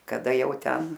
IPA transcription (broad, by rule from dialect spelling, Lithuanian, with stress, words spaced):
kɐˈdɐ ˈjɛʊ ˈtʲɛn